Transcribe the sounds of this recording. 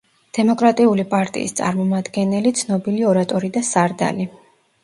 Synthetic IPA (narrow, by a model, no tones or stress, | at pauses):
d̪̥ɛmɔkʼɾat̪ʼiulipʼaɾt̪ʼḭːst̪sʼa̰ɾmɔmad̪ɡɛnɛlit̪sʰnɔbiliɔɾat̪ʼɔɾid̪asaɾd̪a̰li